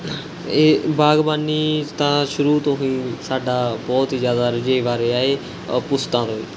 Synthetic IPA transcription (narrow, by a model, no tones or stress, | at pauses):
eːbaːɡbaːniːt̪ãːʃʊɾuːt̪õːɦĩːsaːɖaːbɔːt̪iːzjaːd̪aːɾɪd͡ʒeiʋaːɾeːaːeː | pʊst̪ãːt̪oːḭː